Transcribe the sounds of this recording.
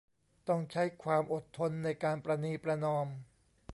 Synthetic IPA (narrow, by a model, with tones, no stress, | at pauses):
t̪ɔ˥˩ŋt͡ɕʰa˦˥jkʰwaː˧mʔo˨˩t̪ʰːo˧nːa˧jkaː˧npɾa˧niː˧pɾa˧nɔː˧m